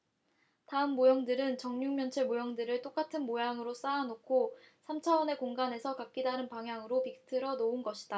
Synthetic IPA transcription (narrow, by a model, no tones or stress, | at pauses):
taɯmːojʌŋdɯɾɯnt͡ɕʌŋɲuŋmjʌnt͡ɕʰemojʌŋdɯɾɯɭt͈ok͈atʰɯnmojaŋɯɾos͈aːnokʰosʰamt͡ɕʰawʌne̞koŋɡane̞sʰʌkak̚k͈idanɯnpaŋjaŋɯɾopik̚tʰɯɾʌnounɡʌɕʰi̥d̥a